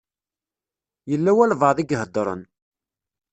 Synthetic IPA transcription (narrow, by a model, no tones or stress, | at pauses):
jəlːæwælvəðˤiɡɦəd̪ːɾˤə̰n